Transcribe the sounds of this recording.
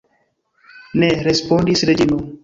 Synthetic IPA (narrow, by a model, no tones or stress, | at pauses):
neɾespõːɳɖisɾed͡ʒino